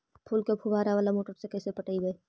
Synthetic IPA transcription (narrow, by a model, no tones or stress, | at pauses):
pʰuːlkepʰubaːɾaʋaːlamoːʈəɾsekɛːsepɐʈəibeː